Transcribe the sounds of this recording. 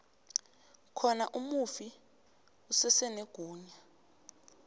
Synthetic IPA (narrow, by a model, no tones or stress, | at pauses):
kʰɔnaʔumufi | usɛsɛneɡ̥ʱuːɲa